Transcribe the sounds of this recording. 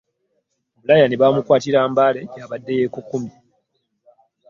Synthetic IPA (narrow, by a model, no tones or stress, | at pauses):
mulajaneβaːmukwaːtiɾaːmbaːle̞jaːβadːe̞jeːkukːumi